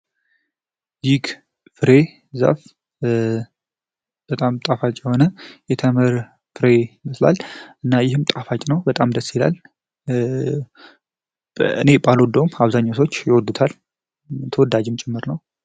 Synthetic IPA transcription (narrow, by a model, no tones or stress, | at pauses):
jɪɡ | fɨɾe̞ | za̰f | b̥ət̪ʼamt̪ʼafat͡ʃʼjɛho̞nəjɛt̪ʰəməɾ | fɨɾe̞məsla̰lʔɨnːajɪhɨmt̪ʼafat͡ʃʼnəwbət̪ʼamd̪əsila̰l | ɨ̰ne̞balwɔd̪ːəwmaβzaɲːosʰot͡ʃːjɪwɔd̪ɨt̪ʰal | t̪ʰəwɔd̪ad͡ʒɪmt͡ʃʼɪmːɨɾnəw